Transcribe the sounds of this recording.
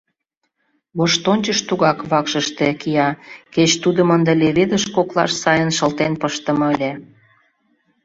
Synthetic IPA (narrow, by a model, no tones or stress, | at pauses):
βoʃt̪onʲt͡ɕəʃt̪uɣɑkβɑkʃəʃt̪ekijɑket͡ɕt̪ud̪əmənd̪eleβed̪əʃkoklɑ̰ʃsɑjənʃə̆lt̪enpəʃt̪ə̆mɤəlʲĕ